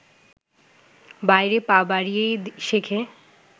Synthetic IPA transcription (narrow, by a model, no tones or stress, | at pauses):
bajɾepabaɾijejʃekʰe